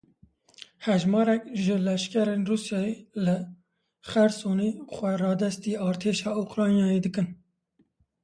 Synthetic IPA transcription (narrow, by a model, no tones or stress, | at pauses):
hɛʒmɑːɾɛkʒəlɛʃkɛɾeːnruːsjɑːjelɨ | xɛɾsoːniːxʷwɛrɑːd̪ɛst̪iːɑːɾt̪ʰeːʃɑːukɾɑːnjɑːjed̪ɨkɨn